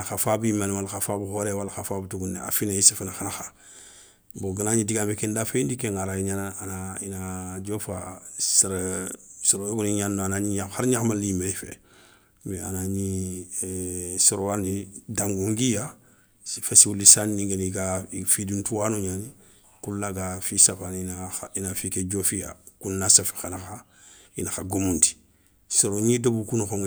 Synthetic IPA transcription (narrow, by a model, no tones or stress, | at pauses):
axafabimanwalxafabuxoɾewalxafaːbtuɡuna̰finaisafinaxanaxa | boɡanaɲidiɡambekendafendikeŋaɾaiɲanaanainad͡ʒofasaɾsuɾojoɡuniɲanːanaɲiɲahaɾɲaxmaliimeɾifḛ | mea̰naɲi | soɾowanidãŋɡoŋɡija | fesiwulːisanːĩŋɡenikafidintuwanoɲaːni | kulːaɡafisafannaainafiked͡ʒofija̰kunːasafe̥xanaa | ḭnaxaɡomunti̥ | soɾoɲidabukunoxoŋ